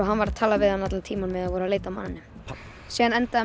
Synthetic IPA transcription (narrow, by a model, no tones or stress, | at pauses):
ɔɦanvaɾaðt̪ʰaːlavɪðhanːat̪lat̪ʰiːmanvɪðaðvɔːɾaðleːjt̪ama̰nːɪnːʏ | sɛːðanɛnt̪a